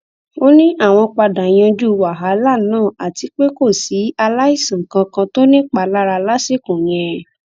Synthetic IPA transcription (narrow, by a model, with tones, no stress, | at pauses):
o˦nĩ˦ʔa˦˨w̃ɔ̃˧k͡pa˧da˨j̃ã˧d͡ʒu˦˧wa˨ɦa˨˦la˦˨nãː˦˨a˨ti˧k͡pe˦ko˦˨si˨˦a˧la˦i˦˨sã˨kã˧kã˧to˦nĩ˦k͡pa˧˨la˦ɾa˧la˦se˦˨kũ˨j̃ɛ̃˧